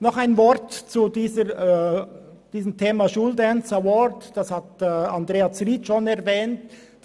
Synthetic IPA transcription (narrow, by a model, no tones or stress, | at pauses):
nɔχaɪnvɔɾtt͡sudiːzə | d̥iːzəmtʰeːmaʃuldɛnsəwɔɾdd̥ashatːɑndɾeːat͡sriːtʃonɛɐvɛːnt